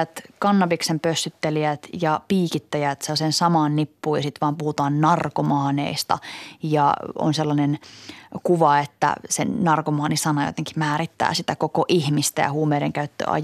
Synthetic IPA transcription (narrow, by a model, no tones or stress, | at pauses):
æt̪kɑnːɑpiksempøsːyt̪ːeliæt̪jɑpiːkit̪ːæjæt̪selːɑsensɑmɑːnnipːuːjɑsit̪ʋɑːmpuhut̪ɑːnnɑrkomɑːnḛist̪ɑ̰jɑ̰o̰nselːɑnenkuʋɑet̪ːæ̰sḛnɑrkomɑːnisɑnɑjo̰t̪eŋki̥mæːɾit̪ːæ̰ːsit̪ækokoʔihmist̪æ̰jɑ̰huːmeːɾeŋkæyt̪ːø̰ʔɑ̰j